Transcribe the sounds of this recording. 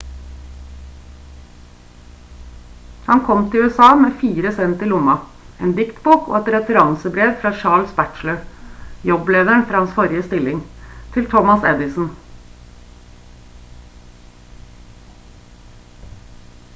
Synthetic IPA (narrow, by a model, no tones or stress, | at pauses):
hɑnkʰɔmt̪ʰɪlʉɛsɑːmeːfiːɾəsɛnt̪ɪlʊmɑ | ʔeːnd̪ɪkt̪buːko̰ːɛt̪ɾɛt̪əɾɑŋsəbɾeːʋfɾɑːʃɑːɭsbæʈləjɔbleːd̪əɳfɾɑːhɑnsfɔɾɪəst̪ɪlɪŋt̪ʰɪlt̪ʰɔmɑsɛd̪ɪsn̩